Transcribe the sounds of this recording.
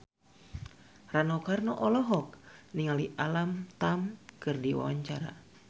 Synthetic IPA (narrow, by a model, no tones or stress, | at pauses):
ranɔkarnɔʔɔlɔɦɔk̚niŋaliʔalamt̪amkɨrdiwa̰wa̰ɲt͡ʃaɾa̰